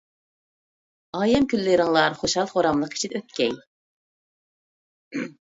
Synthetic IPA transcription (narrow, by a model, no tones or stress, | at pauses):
ɑːjɛmkʲylːɪɾɪŋlˠɑɾχoʃhɑlˠχoɾɑmlˠəqʰi̥t͡ʃʰid̪ɛøt̪̚kʲɛj